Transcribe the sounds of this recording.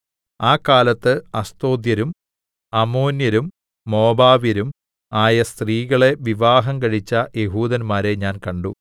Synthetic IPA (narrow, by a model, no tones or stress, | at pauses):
aːkːaːlɐt̪ːɨɐst̪o̞ːd̪jɐɾum | ɐmo̞ːnjɐɾumː | o̞ːbaːʋiɾum | aːjɐst̪riːɣɐɭe̞ʋiʋaːɦɐmkɐɻit͡ɕːɐjeɦuːðɐnmaːɾe̞ɲaːnkɐɳɖṵ